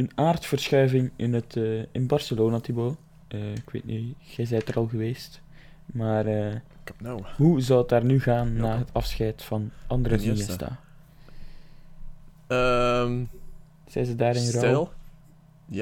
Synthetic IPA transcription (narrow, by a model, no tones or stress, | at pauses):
ənaːrtfərsxœɥvɪŋɪnətːɪnbɑrsəloːnatiboː | əɪkʋḛːtniɣɛjzɛjtəɾɑlˠɣəʋeːst | maːrə | wɦuzɑlət̚aːrnyɣaːnːaːɦətʰɑfsxɛjtfɑnʔɑndəɾəiɛsta̰ː | m | z̥ɛ̰jnzədaːɾɪnɾɔl